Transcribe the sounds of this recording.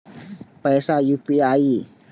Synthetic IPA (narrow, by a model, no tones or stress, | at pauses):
pajsajupiai